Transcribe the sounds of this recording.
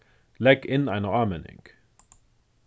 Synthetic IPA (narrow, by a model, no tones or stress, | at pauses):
lɛkɪ̃naɪnəɑmɛnɪ̰̃ŋ